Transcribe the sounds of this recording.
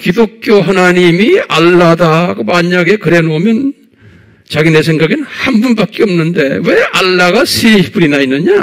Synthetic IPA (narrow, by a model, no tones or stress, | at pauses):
kidok̚kʰjoɦanaɲimiaɭːadakɯmaɲaɡe̞kɯɾe̞nomjʌn | t͡ɕaɡinesʰe̞ŋɡaɡinhambunbak͈eʌmnɯnde̞we̞aɭːaɡasʰiip͈ɯɾinainːɯɲa